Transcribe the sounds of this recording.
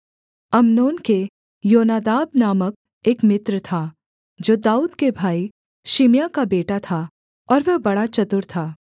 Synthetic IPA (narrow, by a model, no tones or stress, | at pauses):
ɐmnoːnke | joːnaːd̪aːbnaːmək̚ | eːkmɪt̪ɾt̪ʰaː | d͡ʒoːd̪aːuːd̪kebʱaːi | ʃimjakabeːʈat̪ʰa | ɔːɾʋɛbɐɽat͡ʃɐt̪ʊɾt̪ʰaː